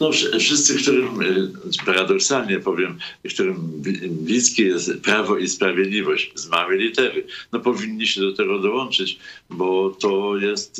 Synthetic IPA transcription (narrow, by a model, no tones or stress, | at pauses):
nɔfʂfʂɨst̪sɘkt̪uɾɘmpaɾad̪ɔksalɲɛpɔvʲjɛmkt̪uɾɘmbblʲiskʲɛjɛst̪pɾavɔispɾavʲjɛd̪lʲivɔɕt͡ɕzmawɘlʲit̪ɛɾɘnɔpɔvʲiɲːiɕɛd̪ɔt̪ɛɡɔd̪ɔwɔnt͡ʂɘt͡ɕbɔt̪ɔjɛst̪